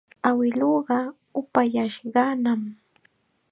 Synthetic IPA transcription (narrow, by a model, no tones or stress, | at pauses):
awɪloɢɑ | ʊpajaʃɢɑnam